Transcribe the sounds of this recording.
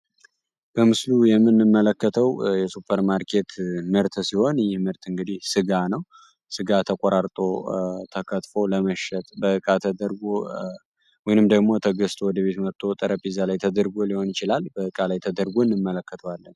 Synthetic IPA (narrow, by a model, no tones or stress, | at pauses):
b̥əmɨslujɛmːɨnːɨmːələkːət̪ʰəwjɛsupʰːəɾmaɾkʰe̞t̪məɾt̪ʰsiho̞njɪhmɨɾt̪ɨŋɡɨd̪ihsɨɡanəw | sɨɡat̪ʰəkʷʼoɾaɾt̪ʼot̪ʰəkʰət̪ʼfo̞ləməʃɛt̪ʼbəʔɨkʼat̪ʰəd̪əɾɡo | wɔjnɨmd̪əɡmo̞t̪ʰəɡəst̪ʰowɔd̪əβe̞t̪məɾt̪ʰo̞t̪ʼəɾəpʼizalajt̪ʰəd̪əɾɡo̞liho̞njɪt͡ʃɪlalbəʔɨkʼalajt̪ʰəd̪əɾɡoɨnːɨmːələkːət̪ʰəwalːən